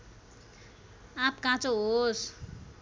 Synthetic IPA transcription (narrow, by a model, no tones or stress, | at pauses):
ãpkãt͡soɦos